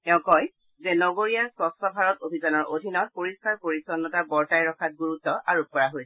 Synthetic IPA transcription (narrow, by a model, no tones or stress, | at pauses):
tɛʊ̃kɔj | zɛnɔɡoɹiaɹsɹɔstɔbʱaɹɔtobʱizanɔɹʔodʱinɔt̚poɹiskaɹpoɹisɔnːɔtabɔɹtajɹɔkʰat̚ɡuɹutːɔʔaɹupɔɹaɦojsɛ̥